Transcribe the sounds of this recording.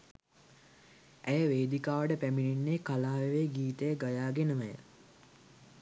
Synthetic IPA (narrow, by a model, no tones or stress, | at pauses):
æjəʋeːd̪ikaːʋəʈəpæmininːeːkalaːʋeʋeːɡiːt̪əjəɡajaːɡenəməjə̰